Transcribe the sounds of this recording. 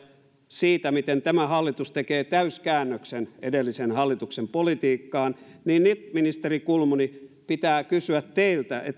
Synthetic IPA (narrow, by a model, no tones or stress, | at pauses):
siːt̪æmit̪ent̪æmæhɑlːit̪ust̪ekeːt̪æyskæːnːøksenedelːisenhɑlːit̪uksempolit̪iːkːɑːnniːnnit̪minist̪erikulmunipit̪æːkysyæt̪t̪eilt̪æʔḛt̪